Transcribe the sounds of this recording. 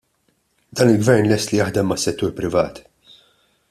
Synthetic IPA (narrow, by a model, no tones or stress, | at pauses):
d̪ɐːnɪlɡvɛɾnlɛst̪lijɐħd̪ɛmːɐsːɛt̪ːuːɾpɾɪvɐ̰ːt̪